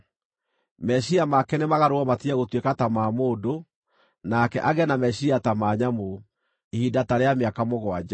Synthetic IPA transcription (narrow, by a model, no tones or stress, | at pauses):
mɛɕiamakɛnemaɣaɾoɔmatiaɣotwekatamaːmoːdo | nakɛ̰ʔaɣɛnamɛɕiatamaːɲamo | ehidataɾeameakamoɣwad͡ʑa